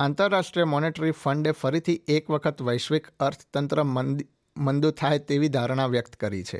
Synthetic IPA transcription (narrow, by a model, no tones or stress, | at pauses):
ãnt̪əɾːaʃʈɾijəmɔneʈəɾifəɳɖefəɾit̪ʰiekʋəkʰət̪ʋəjʃʋikəɾt̪ʰt̪ənt̪ɾə | mənd̪uɾt̪ʰajt̪eʋid̪ʱaɾəɳ̃aʋjəkt̪kəɾḭt͡ʃʰḛ